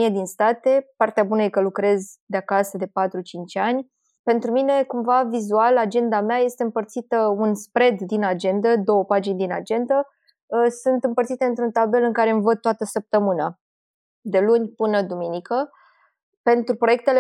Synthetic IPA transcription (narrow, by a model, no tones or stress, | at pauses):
ied̪inst̪at̪e̞part̪eabunəje̞kəlukɾe̞zd̪eakasəd̪e̞pat̪ɾut͡ʃint͡ʃʲanʲ | pe̞nt̪ɾumine̞kumvavizualad͡ʒe̞nd̪ameaje̞st̪e̞ɨmpərt̪sit̪əunspɾe̞d̪ːinad͡ʒe̞nd̪əd̪o̞wəpad͡ʒinʲd̪ina̰d͡ʒe̞nd̪ə | sɨnt̪ɨmpərt̪sit̪eɨnt̪ɾunt̪abe̞lɨŋkaɾe̞ɨmvət̪t̪ːoat̪əsəp̚t̪əmɨna | d̪e̞lunʲpɨnəd̪uminikə | pe̞nt̪ɾupɾo̞jek̚t̪e̞le